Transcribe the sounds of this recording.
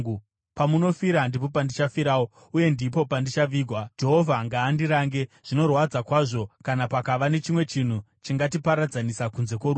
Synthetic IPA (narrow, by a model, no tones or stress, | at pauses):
pamuno̞fiɾandip̬o̞pandit͡ʃafiɾaːwo | uje̞ndipo̞pandit͡ʃaʋiːɡʱwad͡ʒe̞ɦovʱaŋɡaːndiɾaːŋɡe̞ʐ̥ino̞rwad͡zakwaːʐo̞kanapakaʋane̞t͡ʃimwe̞t͡ʃin̤u | t͡ʃiŋɡat̬ipaɾad͡zanisakunze̞kwo̞ɾu